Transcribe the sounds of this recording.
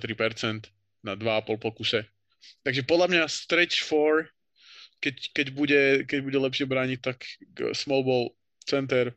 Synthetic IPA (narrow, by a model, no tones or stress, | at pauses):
t̪ɾipɛɾt͡sɛnt̪ | nad̪ʋaapɔlpɔlkusɛ | t̪aɡʒɛpɔd̪lamɲast̪ɾɛt͡ʃfɔɾ | kɛckɛɟbuɟɛkɛɟbuɟɛlɛpʃɪɛbɾaːɲic̚t̪aksmɔʊbɔl | t͡sɛnt̪̬ɛɾ